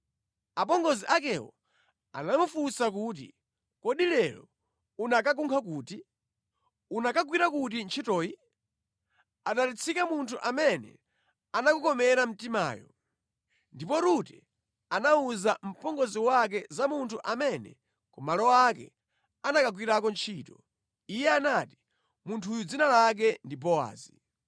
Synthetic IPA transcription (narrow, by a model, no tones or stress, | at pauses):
apɔŋɡɔziʔak̬ɛwɔ̰ | a̰namufusak̬ut̬ḭ | kɔɗilɛlɔ̰ | unakak̬uŋkʰak̬uːti | unakaɡwiɾakut̬int͡ʃʰitɔːi | aɗalit͡sʰikamuntʰuʔamɛnɛ̰ | anakukɔmɛɾam̩tima̰ːjɔ̰ | ndipɔɾutɛ̰ | anauzam̩pɔŋɡɔziwak̬ɛzamuntʰuʔamɛnɛ̰ | kɔmalɔwak̬ɛ̰ | anakaɡ̬wiɾakɔnt͡ʃʰiːtɔ | ijɛanaːti | muntʰuːjud͡zinalak̬ɛndibɔa̰ːzi